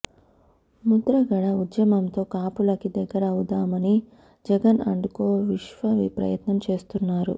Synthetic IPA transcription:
mud̪ɾɐɡɐɽɐud̪jɐmɐmt̪o̞ːkaːpulɐkid̪ɛɡːɐɾɐɐwud̪aːmɐni | d͡ʒɛɡɐnɐ̰ɳɖukoːʋiʃʋɐʋḭːpɾɐ̰jɐt̪nɐmt͡ʃe̞ːst̪unːaːɾṵ

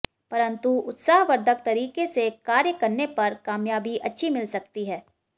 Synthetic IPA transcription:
pɐɾə̃nt̪uʊt̪saːɦʋɐɾd̪ʱək̚t̪ɐɾiːkesekaːɾjəkɐɾnepɐɾkaːmjaːbiʔɐtːʃʰimɪlsɐkt̪iɦɛː

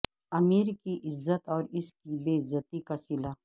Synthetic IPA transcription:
ɐmiːɾkiʔɪzːət̪ɔːɾɪskibeːɪzət̪ikasɪla

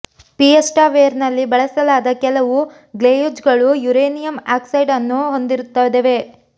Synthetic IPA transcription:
piesʈaːʋeːɐɾnɐlːibɐɭɐsɐlaːd̪ɐkɛlɐʋu | ɡleːjud͡ʒɡɐɭujuɾeːnijɐmaːksɐjɖɐnːuɦo̞nd̪iɾut̪ːaːd̪eʋe̞

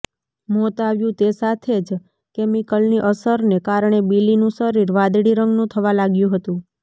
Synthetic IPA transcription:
mɔt̪aʋjũt̪esat̪ʰed͡ʒ | kemikəlniʔəsəɾnekaɾɳ̃ebilinũsəɾiɾʋad̪ɽiɾəŋɡnũt̪ʰəʋalaɡjũɦət̪ũ

